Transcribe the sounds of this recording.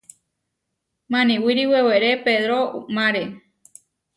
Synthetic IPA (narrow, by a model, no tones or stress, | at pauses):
mãnĩwiɾiweweɾepeðɾomãɾe